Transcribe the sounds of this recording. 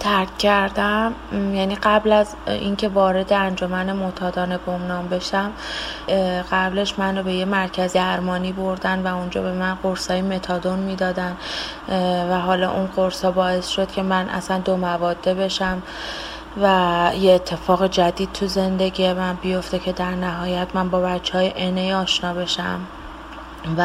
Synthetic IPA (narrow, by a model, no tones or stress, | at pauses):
t̪ʰæɾcʰːæɾd̪æmjæniɢæblæz | ḭncʰe̞vɒːɾe̞d̪eænd͡ʒo̞mænemot̪ʰɒːd̪ɒːnebo̞mnɒːmbe̞ʃæm | ɢæble̞ʃmænɾobe̞jemæɾcʰæzd̪æɾmɒːniːboɾd̪ænvæund͡ʒɒ̰ːbe̞mænɢoɾsɒːjime̞t̪ʰɒːd̪o̞nmiːd̪ɒːd̪æn | væɦɒːlɒ̰ʔunɢoɾsɒːbɒːe̞sʃo̞d̪̥cʰe̞mænʔæ̰sænd̪o̞mævɒːd̪ːe̞be̞ʃæm | væjeeːt̪ʰːe̞fɒːɣed͡ʒæd̪iːd̪̚t̪ʰuze̞nd̪e̞ɟijemænbijo̞ft̪e̞cʰe̞d̪æɾnæɦɒːjæt̪mænbɒːbæt͡ʃʰːeɒːjeʔenejɒːʃnɒːbe̞ʃæ̰m | væ